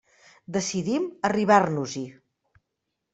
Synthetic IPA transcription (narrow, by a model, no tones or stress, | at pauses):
d̪əsiðiməriβ̞arnuzi